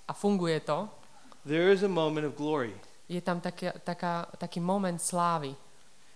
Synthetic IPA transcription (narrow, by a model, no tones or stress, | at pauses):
ʔafuŋɡujɛt̪ɔ | ðə˞ɪzəmõʊ̃mɨ̃ɾ̃ʌvɡlɔɹi | jɛt̪amt̪akat̪akaːt̪akiːmɔmɛnt̪slaːʋi